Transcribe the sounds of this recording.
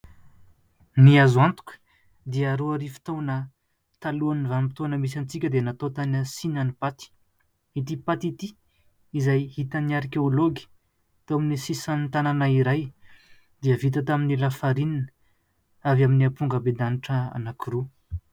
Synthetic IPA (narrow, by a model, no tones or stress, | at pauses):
niazant̪u̥kʲə̥ | d̪iəɾoaɾifi̥t̪onə | t̪aluanivanimpi̥t̪onəmis̬ant͡sikʲəd̪enat̪ot̪anasinanipat̪i̥ | it̪ipat̪it̪i | izajhit̪əniaɾkeoloɡi̥ | t̪oaminisisant̪ananaiɾaj | d̪iəvit̪̬ət̪aminilafaɾininə | avaminiapuŋɡəbed̪aniʈ͡ʂəa̰nakiɾu